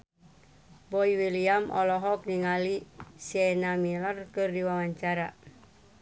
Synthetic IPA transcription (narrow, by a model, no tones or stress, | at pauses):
bɔiwiliamʔɔ̰lɔɦɔk̚niŋalisɛnamilərkɨrdiwawaɲt͡ʃaɾa̰